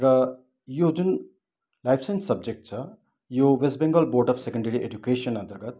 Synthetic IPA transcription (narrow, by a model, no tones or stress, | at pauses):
ɾʌ | jod͡zun | lajpʰsenssːʌb̚d͡ʒek̚ʈ̚t͡sʰʌ | jowesbẽŋɡəlboːɾʈʌfsekəɳɖeɾiʔed͡ʒukeʃənɐ̃nt̪əɾɡət̪̚